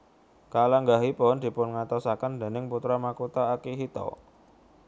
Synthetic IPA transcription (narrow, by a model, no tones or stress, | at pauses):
kalaŋɡaɦipɔnd̪̥i̤pʊnŋat̪ɔsakand̪e̤nɪŋput̪ɾamakut̪aːkiɦit̪ɔ̰